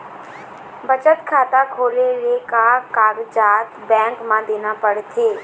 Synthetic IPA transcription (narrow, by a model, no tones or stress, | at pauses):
bət͡ʃət̪kʰaːt̪akʰoːleɾeːkakaːɡd͡ʒaːt̪bɛ̃ːŋkmãːd̪eːnaːpəɽt̪ʰeː